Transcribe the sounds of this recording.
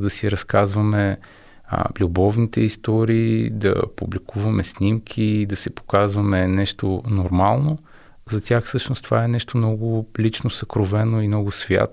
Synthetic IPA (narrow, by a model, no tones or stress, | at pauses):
d̪ɐsiɾɐskazvɐmɛ̰ | lʲubɔvnit̪ɛist̪ɔɾiːd̪ɐ̰publikuvɐmɛsnʲimkʲʰid̪ɐsɛpo̥kazvɐmɛnɛʃt̪onoɾmalˠno | zɐt̪ʲjaxfsɤʃnost̪o̥vaɛnɛʃt̪omnɔɡʊlʲit͡ʃnosɐkɾovɛnoimnɔɡʊsvʲja̰t̪